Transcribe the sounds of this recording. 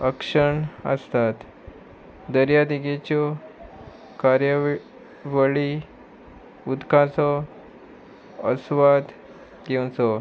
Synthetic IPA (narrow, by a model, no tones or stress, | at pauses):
əkʂəɳə̰st̪at̪ | d̪əɾjad̪iɡet͡ɕɔ | kaɾjə | ʋəɭi | ud̪kʰãt͡sɔ | əsʋad̪ | ɡew̃t͡sɔ